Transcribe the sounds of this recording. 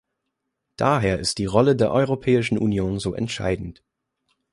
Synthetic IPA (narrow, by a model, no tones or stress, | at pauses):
d̥aːɦeːɐɪstd̥iːʁɔlədeːɐʔɔʏʁopʰɛːɪʃn̩ʔṵnjoːnzoːʔɛ̰ntʃa̰ɪdn̩t